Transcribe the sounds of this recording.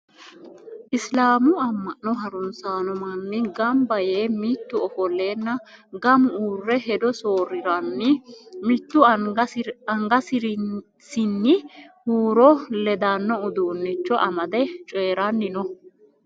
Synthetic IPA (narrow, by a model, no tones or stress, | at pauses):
ʔɪslaːmʊɐmːɐʔnːɔɦɐɾʊnsaːnɔmɐnːɪɡɐmbɐje̞ːmit̪ːʊɔfɔlːeːnːɐɡɐmʊuːrːɛɦɛd̪ɔso̞ːɾɪɾɐnːɪmɪt̪ːʊ | ɐŋɡɐsɪɾɪ | sɪnːɪhuːɾɔlɛd̪anːɔʊd̪uːnːɪt͡ʃːɔʔɐmɐd̪ɛt͡ʃʼeːɾɐnːɪnɔ